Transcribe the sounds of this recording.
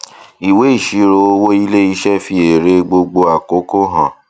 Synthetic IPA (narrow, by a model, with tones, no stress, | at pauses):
i˨we˨˦i˦˨ʃi˨˦ɾo˧o˧wo˦i˦le˦i˧˦ʃɛ˦fi˧e˨ɾe˧˦ɡ͡bo˧ɡ͡bo˧a˨ko˨˦ko˦ɦã˨